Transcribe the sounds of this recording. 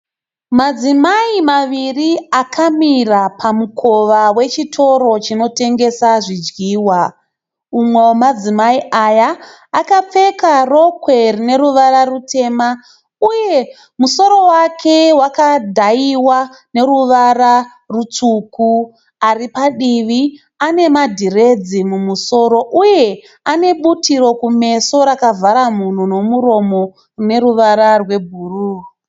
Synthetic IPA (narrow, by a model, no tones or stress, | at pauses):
mad͡zimaimaʋiriakʰamirapʰamukʰo̞ʋawe̞t͡ʃitʰo̞ɾo̞t͡ʃino̞te̞ŋɡe̞saʐid͡ʒɡiːwa | umwe̞omad͡zimaiajaː | kap͡fe̞karokwe̞rine̞ruʋararutʰe̞ma | uje̞ | muso̞ɾo̞wakʰe̞wakadʱaiwa | ne̞ruʋara | rut͡suku | aripaɗiʋi | ane̞madʱire̞d͡zimumuso̞ɾo̞ʔuje̞ | ane̞ɓutiɾo̞kume̞so̞ɾakavaɾamun̤uno̞muɾo̞mo̞ | rine̞ɾuʋaɾarwe̞bʱuːruː